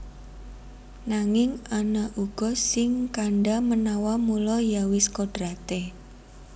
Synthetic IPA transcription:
naŋɪŋanaʔuɡ̥ɔ̤sɪŋkaɳɖamənawamulɔjawɪskoɖ̥ɾat̪e

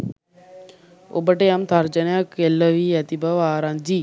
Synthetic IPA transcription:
o̰bəʈeamt̪ʰaɾd͡ʒənjakelːəʋijɐt̪ibəʋaːɾand͡ʒi

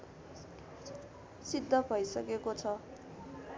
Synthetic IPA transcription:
sid̪ʱːʌbʱʌjsʌkekot͡sʰʌ

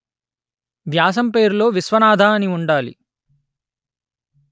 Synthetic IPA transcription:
ʋjaːs̬ɐmpe̞ːɾulo̞ːʋisʋɐnaːd̪ʱaːɐniuɳɖaːlḭ

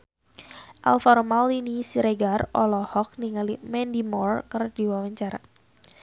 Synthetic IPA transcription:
ʔa̰lfɔɾɔmalinisiɾɛɡarʔɔlɔhɔk̚niŋalimɛndimɔrkərdiwawaɲt͡ʃaɾa̰

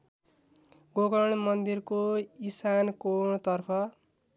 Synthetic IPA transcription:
ɡoɡʌɽ̃mʌnd̪irkoisankoɳt̪ʌrpʰʌ

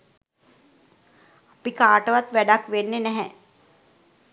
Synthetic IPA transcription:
apikaːʈəʋat̪ʋæɖakʋenːenɛɦɛ

